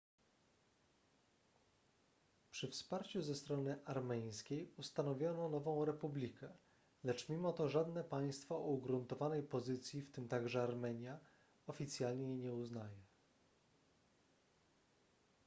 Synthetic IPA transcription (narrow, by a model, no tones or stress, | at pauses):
pʂɘfspaɾt͡ɕuzɛst̪ɾɔnɘʔaɾmɛj̃skʲejust̪anɔvʲjɔnɔnɔvɔ̃w̃ɾɛpublʲikʰɛ | lɛt͡ʂmʲimɔt̪ɔʐad̪nɛpaj̃st̪faʔɔuɡɾunt̪ɔvanɛjpɔzɘt̪sʲjift̪ɘmt̪aɡʐɛaɾmɛɲja | ɔfʲit̪sʲjalɲeiɲɛuznajɛ